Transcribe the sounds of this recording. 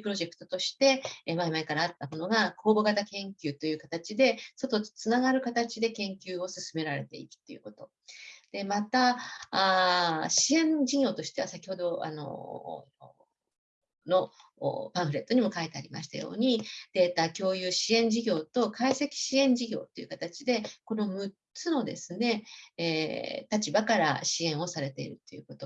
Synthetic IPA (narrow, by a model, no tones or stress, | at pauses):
pɯɾo̞ʑe̞kɯ̥t̪ot̪o̞ɕi̥t̪e̞maimaikaɾaːt̪ːamo̞noɡakʰo̞ːbo̞ɡat̪akẽ̞ŋkʲɨːt̪o̞jɯ̟ːkat̪at͡ɕid̪e̞so̞t̪o̞t͡sɨnaɡaɾɯ̟kat̪at͡ɕid̪e̞kẽ̞ŋkʲɨːo̞sɨsɨme̞ɾaɾe̞t̪e̞̰ḭkɯ̥t̪ːo̞jɯ̟̰kot̪o̞ | d̪̥e̞mat̪aː | ɕiẽ̞ɲd͡ʑiɡʲo̞ːt̪o̞ɕi̥t̪e̞βasakʲi̥ho̞d̪o̞a̰no̞̰ | no̞̰pãɰ̃ɸɯ̟ɾe̞t̪ːo̞ɲ̟imo̞kait̪eaɾʲima̰ɕi̥t̪a̰jo̞̰ːɲ̟id̪̥e̞ːt̪aːkʲo̞ːjɯːɕiẽ̞ɲ̟d͡ʑiɡʲo̞ːt̪o̞kaise̞kʲi̥ɕiẽ̞ɲ̟d͡ʑiɡʲo̞̰ːt̪ːe̞jiɯ̟kat̪at͡ɕid̪e̞ko̞no̞mɯ̟ | t͡sɨno̞d̪e̞̰sɨne̞ | t̪at͡ɕibakaɾa̰ɕiẽ̞ɰ̃o̞saɾe̞t̪e̞ḭɾɯ̟t̪ːojɯ̟ːko̞t̪o̞